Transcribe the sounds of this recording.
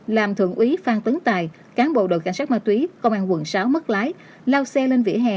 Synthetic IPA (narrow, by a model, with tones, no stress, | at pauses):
laː˨˩mt̪ʰɨ̰˧˨əŋʔwi˨˦faː˧nt̪ɨ˨˦ŋt̪aː˨˩j | kaː˨˦nɓo̰˧˨ɗo̰˧˨ka˧˩ŋ̟saː˦˥maː˧˩t̪wi˨˦kə˧wŋ͡mʔaː˧ŋkwə˨˧˩nsaː˨˦wmə˦˥t̚laː˨˦j | laː˧wsɛ˧le˧nvḭ˧˥əɦɛ̰˧˨